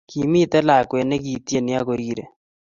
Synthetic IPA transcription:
ki˨mi˦t̪ɛ˦la˨kwe˨ne˦k̬i˨t̪je˦˨nɪ˦a˦ko˨ɾiːɾe˨

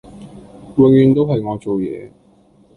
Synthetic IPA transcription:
wɪ˨˧ŋjyː˧nt̪o˥wɦɐ˨jŋɔː˨˧t͡so˨wjɛ̰ː˨˧

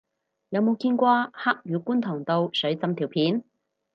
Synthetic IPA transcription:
jɐ˨˧wmo˨˧wkiː˧nkʷaː˧haː˥k̚jyː˨˧kuː˥nt̪ʰɔː˨˩ŋt̪o˧wsɵ˨˥ɥt͡sɐ˧mt̪ʰiː˨˩wpʰiː˨˥n

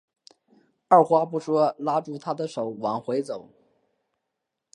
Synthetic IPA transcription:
ə˞˥˩xwa˥pu˥˩ʂwɔ˥la˥ʈ͡ʂu˥˩t̪ʰa˥d̪ə˨ʂo˨˩ʊwa˨˩ŋxwe˧˥ɪt͡so˨˩˦ʊ

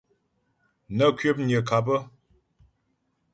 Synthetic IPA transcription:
nə˦kɥe˦p̚ɲə˨ka˨p̬ə˦

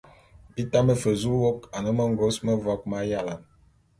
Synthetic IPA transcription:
bi˦ta˦mə˨fə˨zu˦wo˦ka˨nə˦mə˦ŋ˦ɡo˦smə˦vɔ˦k̚ma˦ja˦˨la˨m

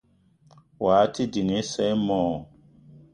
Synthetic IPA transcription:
waː˨˦ti˦di˨ne˦sɛ˦jmɔ˨

